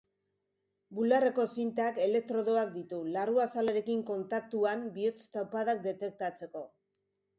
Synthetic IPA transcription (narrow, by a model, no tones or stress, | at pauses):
bulare̞ko̞sint̪ake̞le̞k̚t̪ɾo̞ðoak̚d̪it̪ularuasaleɾe̞kiŋko̞nt̪ak̚t̪uambiot͡st̪awpaðak̚d̪e̞t̪e̞k̚t̪at͡se̞ko̞